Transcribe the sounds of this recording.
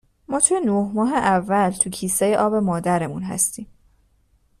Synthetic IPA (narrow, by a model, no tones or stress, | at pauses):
mɒːt̪ʰuje̞nohmɒːɦeʔævːælt̪ʰucʰiːseje̞ʔɒːbe̞mɒːd̪æɾe̞munɦæ̰st̪iːm